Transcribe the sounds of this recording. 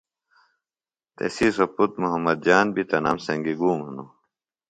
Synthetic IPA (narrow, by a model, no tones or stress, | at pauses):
t̪ḛsisɐput̪muɦɐmːɐd̪̚d͡ʑaːnbit̪ɐna̰msɐŋɡiɡuːmɦɐnu